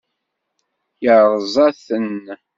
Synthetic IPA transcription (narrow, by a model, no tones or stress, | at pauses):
jəɾˤzˤɑθən